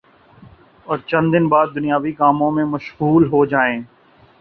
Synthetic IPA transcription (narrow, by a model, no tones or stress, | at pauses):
ɔːɾt͡ʃɐ̃nd̪ɪnbaːd̪̚ːʊnijaːʋikaːmõmẽmɐʃɣuːlɦod͡ʒaːẽː